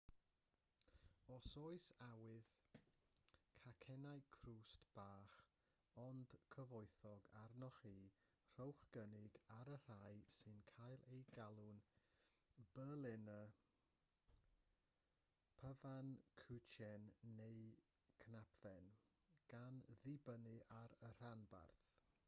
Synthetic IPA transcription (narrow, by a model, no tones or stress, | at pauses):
ɔsoɨsawɪð | kʰakʰɛnajkʰruːstb̥aːχ | ɔnd̥kʰəvɔɨθɔɡarnɔχiː | r̥owχɡ̥ənɪɡaɾər̥ajsɨnkʰajlˠejɡalˠʊn | b̥əlˠɛnə | pʰəvankʰʉt͡ʃʰɛnːej | kʰnapʰðɛnɡ̥anðɪbənɪʔaɾər̥anba̰rθ